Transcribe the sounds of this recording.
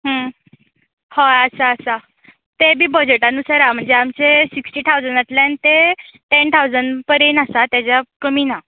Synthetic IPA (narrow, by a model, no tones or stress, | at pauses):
ɦə̃ | hoəsaːsa | t̪ebʱiːbəd͡ʑeʈanusəɾam̤əɳd͡zeamt͡sesiksʈiːt̪ʰawd͡zənat̪ljanit̪eʈent̪ʰawd͡zəɳpəɾenasat̪jat͡ɕjakəmina